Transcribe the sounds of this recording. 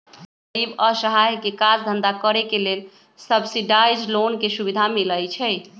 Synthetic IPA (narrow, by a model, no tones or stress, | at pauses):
ibəsəɦajkekad͡ʒd̪ʱənd̪akəɾekelel | səbsiɖajd͡ʒlonkesubid̪ʱamiləjt͡ʃʰɛj